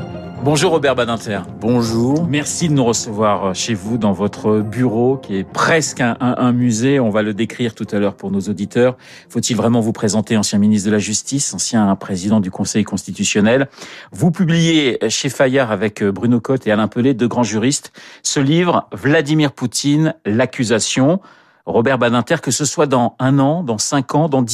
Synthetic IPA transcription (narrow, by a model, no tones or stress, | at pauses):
bɔ̃ʒuʁːɔbɛʁbad̪ɛ̃t̪ɛʁbɔ̃ʒuːʁmɛʁsid̪ənuʁəsəvwaʁʃevud̪ɑ̃vɔt̪χəbyʁokʲʰiɛpχɛskɛ̃ʔʔɛ̃myzeɔ̃valəd̪ekχiʁt̪ut̪alœʁpuʁnozod̪it̪œʁ | fot̪ilvʁɛmɑ̃vupχezɑ̃t̪eɑ̃sjɛ̃minist̪d̪əlaʒyst̪isɑ̃sjɛ̃pχezid̪ɑ̃d̪ykɔ̃sɛjkɔ̃st̪it̪ysjɔnɛlvupyblijeʃefajaʁavɛkbʁynokɔt̪ealɛ̃pøled̪øɡʁɑ̃ʒyʁist̪səlivʁvlad̪imiʁput̪ʰinlakʲyzasjɔ̃ | ʁɔbɛʁbanɛ̃t̪ɛʁkəsəswad̪ɑ̃ɛ̃nɑ̃d̪ɑ̃sɛ̃kʰɑ̃d̪ɑ̃d̪